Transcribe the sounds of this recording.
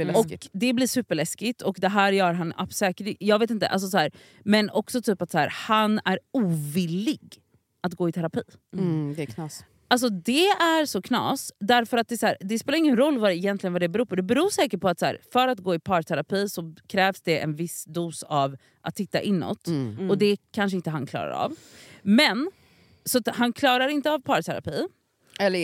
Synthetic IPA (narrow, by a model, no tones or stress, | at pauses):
ɔkd̪ɛbliːʂʉ̟ːpəɭɛskɪt̪ʰɔkd̪ɛɦæːɾjœːɾɦana̰psɛːkəɾjɑːɡveːt̪ɪnt̪ə̰ʔals̬ɔsɔæːɾ | mɛnɔksɔt̪ʰyːpat̪sæːɾhanæɾuːvɪlːɪɡ | at̪ɡoːɪt̪ʰæɾapʰiːd̪ɛkʰnɑːs | als̬ɔd̪ɛæɾsɔkʰnɑ̰ːsd̪æɾfœɾat̪̚d̪ɛsæːɾd̪ɛspeːlaɾɪŋːənɾɔlːvaɛjɛnt̪lɪɡənvad̪ɛbɛɾuːɾpʰɔd̪ɛbɛɾuːʂɛːkəʈpʰɔat̪sæ̰ːɾfœɾat̪ɡoːɪpʰɑːɾt̪ʰæɾapʰiːsɔkʰɾɛːvsd̪ɛʔɛ̰nvɪsd̪uːsav | ʔa̰t̪hɪt̪ːa̰ʔɪnːɔ̰t̪ːɔd̪ɛkʰanʂəɪnt̪əɦankʰlɑ̰ːɾa̰ɾa̰vmɛn | sɔat̪hankʰlɑːɾaɾɪnt̪əavpʰɑːɾt̪ʰæɾa̰piː | ɛlːə